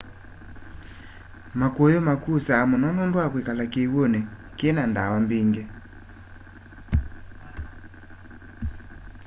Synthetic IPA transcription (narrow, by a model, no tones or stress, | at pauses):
makwɔjɔmakusaːmɔnɔnɔndwakwekalakeiwɔnɛkenandawambiŋɡɛ